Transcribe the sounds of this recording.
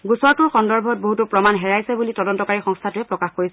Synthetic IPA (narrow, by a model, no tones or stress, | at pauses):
ɡusɔɹtʊɹxɔndɔɹbʱɔt̚boɦutupɹɔmanɦɛɹajsɛbulitɔdɔntɔkaɹixɔŋstʰatʊɛpɹɔkaxkoɹisɛ